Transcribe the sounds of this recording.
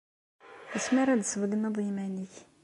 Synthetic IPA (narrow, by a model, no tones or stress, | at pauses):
əsmaɾæd̪səvəɡənɑðˤimæniç